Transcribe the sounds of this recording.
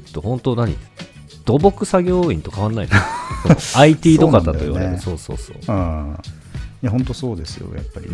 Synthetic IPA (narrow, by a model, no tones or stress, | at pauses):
t̪ːohõ̞nt̪o̞naɲ̟ḭ | d̪̥o̞bo̞kɯ̟saɡʲo̞ːĩnt̪o̞kaβ̞anːaḭnsooait̪ʲiːd̪okat̪ːat̪oḭβa̰ḛso̞ːso̞̰ːso̰ːã | jahõ̞nt̪o̞so̞ːd̪e̞sɨjo̰ja̰pːaɾʲḭ